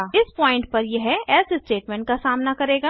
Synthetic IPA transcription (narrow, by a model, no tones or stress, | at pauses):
ɪspɔ̃ːɪ̃ɳʈ̚pɐɾjeɦɛɛːsɪsʈeːʈmɛ̃ːɳʈ̚kasaːmnakɐɾeːɡaː